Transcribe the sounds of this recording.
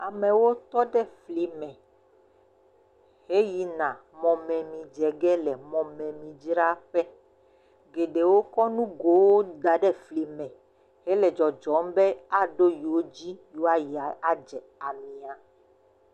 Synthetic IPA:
a˨mɛ̃˨wo˦t̪ɔ˦ɖɛ˦fli˨mɛ̃˨ | he˦ji˨nã˨mɔ̃˨mɛ̃˨mĩ˨d͡ʒɛ˨ɡɛ˦lɛ˨mɔ̃˨mɛ̃˨mĩ˨d͡ʒɾa˦ɸɛ˦ | ɡe˨ɖe˨wo˦kɔ˦nũ˦ɡo˨˦wo˦d̪a˨ɖɛ˦fli˨mɛ̃˨ | he˦lɛ˨d͡ʒɔ˨d͡ʒɔ˨˦m˦bɛ˦a˦ɖo˦ji˨wo˦d͡ʑi˦jo˦a˦ji˨a˨a˦d͡ʒɛ˨a˨mĩ˨a˨

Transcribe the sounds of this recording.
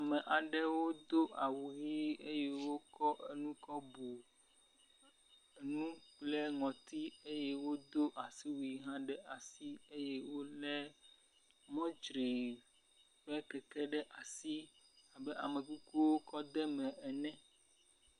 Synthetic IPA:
a˨mɛ̃˨ʔa˨ɖɛ˦wo˦d̪o˦ʔa˨wu˨ɦi˦e˦jɛ˦wo˦kɔ˦ʔe˦nũ˦kɔ˦bu˨ | nũ˦k͡ple˦ŋɔ̃˨t̪i˦e˦jɛ˦wo˦d̪o˦ʔa˨si˦wi˨ɦã˦ɖɛ˦ʔa˨si˦e˦jɛ˦wo˦lɛ˦ | mɔ̃˦d͡ʒɾi˨ | ɸɛ˦kɛ˨kɛ˦ɖɛ˦ʔa˨si˦a˨bɛ˦ʔa̰˨mẽ˨ku˦ku˦wo˦kɔ˦d̪ɛ˦mɛ̃˨ʔɛ˨nɛ̃˦

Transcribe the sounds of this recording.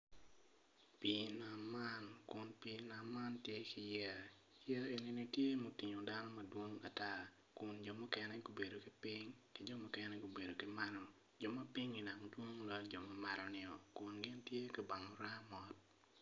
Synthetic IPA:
pi˨na˨mːa˦nkʊ˨npi˨na˨mːa˦ntje˦kɪ˨jɛ˦ | jɛ˦e˨ni˨˦ni˦tje˦mo˨ti˨ɲo˨da˦nɔ˦mɐ˨dwo˦ŋa˨ta˦ | kʊ˨nd͡ʒɔ˨mʊ˦kɛ˦nɛ˦ɡo˨be˨do˨ki˦pɪ˦ŋkɪ˨d͡ʒɔ˦mʊ˦kɛ˦nɛ˦ɡo˨be˨do˨kɪ˦ma˦ɾɔ˨ | d͡ʒɔ˨ma˦pɪ˦ŋi˨na˨ŋdwo˦ŋlɔ˦ld͡ʒɔ˨ma˦ma˦ɾɔ˨nɪ˦ɔ˨kʊ˨nɡɪ˦ntje˦ki˨ba˨ŋɔ˨ɾa˦mɔ˦t̚

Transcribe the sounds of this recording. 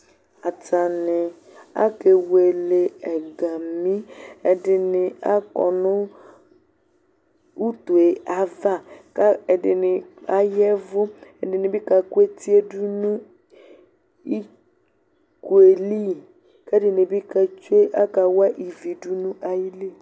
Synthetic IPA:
a˨ta˨nɪ˨ | a̰˦ke˨we˨le˨ɛ˨ɡa˨mĩ˦ɛ˨dɪ˨nɪ˨a̰˦kɔ̰˨nʊ̃˦ | u˦t̪o˨e˨ʔa˨˦va˦ka˦ɛ˨dɪ˨nɪ˨a˦jɛ˦vʊ˦ɛ˨dɪ˨nɪ˨bɪ˦ka˨ku˦e˦ti˦e˦du˦nũ˦ | i˦ | ku˨e˨li˦ | kɛ˦dɪ˨nɪ˨bi˦ka˨t͡ʃe˦ʔa˦ka˨wa˦ʔi˨vi˨du˦nũ˦ʔa˨ji˦li˦˨

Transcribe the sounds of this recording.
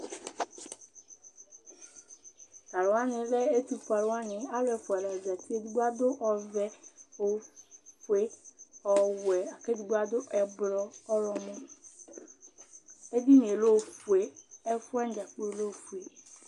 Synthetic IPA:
ka˨ɾwa˦nɪ̃˨lɛ˦e˦t̪u˨fa˨la˦nɪ̃˨a˦lɛ˨fu˨ɛ˨lɛ˨ɔ˨d͡ʒa˨ti˦e˦du˦ɡ͡ba˦d̪ʊ˦ʔɔ˨vɛ˦o˨fu˨e˦ɔ˨wɛ˨a˨ke˦du˨ɡ͡ba˦d̪ʊ˦ʔɛ˨blɔ˦ɔ˦ɾɔ˨mɔ̃˦ | e˦di˦n˨e˨lo˦˨fu˨e˨ɛ˦fu˦ɛ˦n˦d͡ʒa˨k͡pu˦e˨lo˦˨fu˨e˨

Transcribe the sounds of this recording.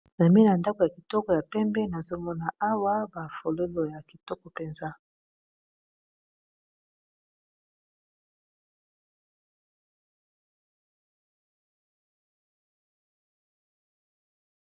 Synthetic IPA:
n˨mi˦na˨nda˦ko˨ja˨ki˨tɔ˦kɔ˨ja˨pɛ˦mbɛ˦na˨zo˦mɔ˦na˨a˦wa˦ba˨fo˨lo˦lo˨ja˨ki˨tɔ˦kɔ˨pe˨nza˦

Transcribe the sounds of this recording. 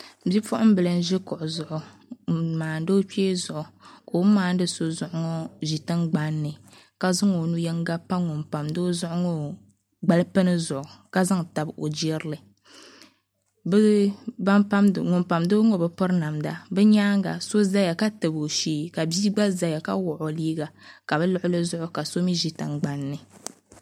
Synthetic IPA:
bi˦fʊ˦ʔʊ˦m˦bɨ˨lɨ˨n˦ʒɛ˦kʊ˨ʔʊ˨zʊ˨ʔʊ˨ | maː˨n˦do˦k͡peː˦zʊ˨ʔʊ˨koː˨˦maː˨n̩˦dɨ˦so˦zʊ˨ʔʊ˦ŋɔ˦ʒi˨tɨ˦ŋɡ͡ba˦nːɨ˨ | ka˨zʊ˦ŋo˨nu˦jɛ˦ŋɡa˦pa˦ŋʊ˨mpa˨mdo˦zʊ˦ʔʊ˦ŋɔ˦ | ɡ͡ba˦˨lɨ˦pɨ˦nɨ˦zʊ˨ʔʊ˨ka˦za˦ŋ˨ta˨bo˨d͡ʒɾɨ˦lɨ˨ | bɨ˦ba˦mpa˦m˨ŋʊ˨mpa˨mdo˦ŋɔ˦bɨ˦pʊ˦ɾna˨mda̰˨bɛ˦ɲaː˦ŋɡa̰˨so˦za˦ja˨ka˦tɨ˨bo˨ʃiː˦ka˨biː˦ɡ͡ba˦za˨ja˨ka˦wʊ˨ʔo˨liː˦ɡa˨ka˨bɛ˦lʊ˦ʔʊ˦lɨ˦zʊ˦ʔʊ˦ka˨so˦mi˦ʒi˨tɨ˨ŋɡ͡ba˨nːɨ˨

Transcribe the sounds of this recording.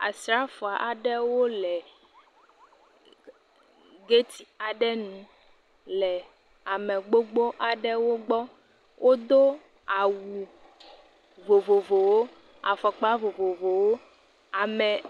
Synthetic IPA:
a̰˨sɾa˦fo˨a˨ʔa˨ɖɛ˦wo˦lɛ˨ | ɡe˦t̪i˨a˨ɖɛ˦nũ˨ | lɛ˨ | a˨mɛ˨ɡ͡bo˦ɡ͡bo˦ʔa˨ɖɛ˦wo˦ɡ͡bɔ˦ | wʔo˦d̪o˦ | a˨wu˨ | vo˨vo˨vo˨wo˦ | a̰˨fɔ˨k͡pa˦vo˨vo˨vo˨wo˦ | a˨mɛ˨

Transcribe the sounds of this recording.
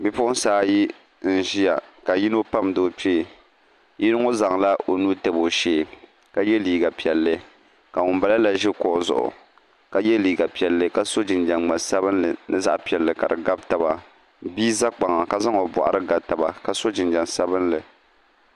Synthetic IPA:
bi˦pʊ˦ʔʊ˦n̩saː˦ji˦ | n̩˨ʒi˦ja˨ka˨ji˦no˦pa˦mdoː˦peː˦˨ | ji˦ɾɨ˦ŋo˦za˨ŋla˦o˨nu˦tɛ˨bo˨ʃeː˦˨ | ka˦jɛ˦liː˨ɡa˨pi˨ɛ˨lːɨ˦ | ka˨ŋʊ˨mba˨la˦la˨ʒɪ˦kɔ˨ʔzʊ̰˨ʔʊ̰˨ | ka˦jɛ˦liː˨ɡa˨pi˨ɛ˨lːɨ˦ka˦so˦d͡ʒɪ˨nd͡ʒa˨nŋ͡ma˨sa˦βɨ˦nlɨ˨nɨ˦za̰˦ʔpi˨ɛ˨lːɨ˨ka˨dɨ˨ɡa˦bta˨ba˨ | biː˦za˦k͡pa˨ŋa˨ka˦za˦ŋo˨bʊ̰˨ʔa̰˨ɾɨ˦ɡa˨bta˨ba̰˨ka˦so˦d͡ʒɪ˨nd͡ʒa˨nsa˦bɨ˦nlɨ˨

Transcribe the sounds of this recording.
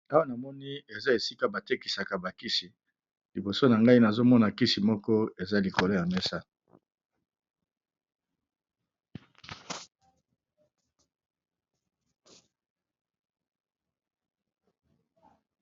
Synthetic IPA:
a˦wa˦na˨mɔ˦ni˦e˨za˦e˨si˦ka˦ba˨te˦ki˨sa˨ka˨ba˨ki˦si˨ | li˨bo˨so˦na˨ŋɡa˦i˦na˨zo˦mɔ˦na˨ki˦si˨mɔ˦kɔ˦e˨za˦li˨ko˨lo˦ja˨mɛ˦sa˦

